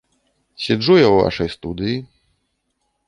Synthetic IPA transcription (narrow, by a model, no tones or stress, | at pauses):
ɕɛʐujɔ̃w̃va̰ʂɛjst̪ud̪ji